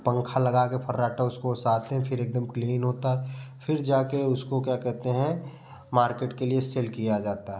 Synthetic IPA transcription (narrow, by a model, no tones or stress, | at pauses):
pə̃ŋkʰalɐɡakepʰɐɾːaːʈaʊskosaːt̪eɦɛ̃pʰɪɾeːk̚d̪əmkliːnɦoːt̪aɦɛfʰɪɾd͡ʒaːkeʊskokjakɛɦt̪eɦɛ̃ | maːɾkeːʈkelieseːlkijad͡ʒaːt̪aɦɛ